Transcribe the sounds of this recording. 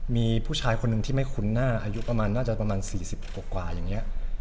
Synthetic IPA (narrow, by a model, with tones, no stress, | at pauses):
miː˧pʰuː˥˩t͡ɕʰaː˧jkʰo˧nːɯ˨˩ŋt̪ʰiː˥˩ma˥˩jkʰu˧nːaː˥˩ʔaː˧ju˦˥pɾa˧maː˧nːaː˥˩t͡ɕa˨˩pɾa˧maː˧nsiː˨˩si˨˩p̚kːɔː˨˩kwaː˨˩jaː˨˩ŋːi˦˥ɐʔ